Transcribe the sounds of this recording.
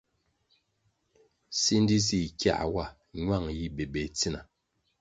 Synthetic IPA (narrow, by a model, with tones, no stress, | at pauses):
si˦n˦di˦z̬i˦˨kja̰˦ʔwa˦˨ | ɲwa˦˨ŋji˦be˨bɛ˨t͡si˦na˨